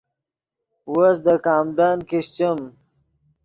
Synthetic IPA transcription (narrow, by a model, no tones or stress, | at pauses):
wosd̪əkɑːmɖɑːnkiɕt͡ɕəm